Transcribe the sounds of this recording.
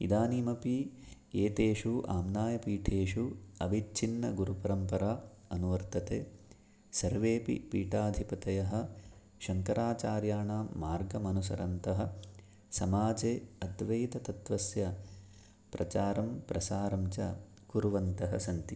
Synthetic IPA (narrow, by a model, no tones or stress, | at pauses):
ḭd̪aːniːmɐpi | eːt̪eːʃuʔaːmnaːjɐpiːʈʰeːʂuɐbʱit͡ʃʰinːɐɡuɾupɐɾɐmpɐɾaː | ɐnuʋɐɾt̪ɐt̪eː | sɐɾʋeːpḭpiːʈaːd̪ʱipɐt̪ɐjɐɦɐ̆ | ʃɐŋkɐɾaːt͡ʃaːɾjaːɳaːmːaːɾɡɐmɐnus̬ɐ̰ɾɐnt̪ɐɦɐ̆ | sɐmaːd͡ʒeːɐd̪ʋɐjt̪ɐt̪ɐt̪ʋɐsjɐ | pɾɐt͡ʃaːɾɐmpɾɐsaːɾɐmt͡ʃɐ̰ | kuɾuʋɐnt̪ɐɦɐ̰sɐnt̪i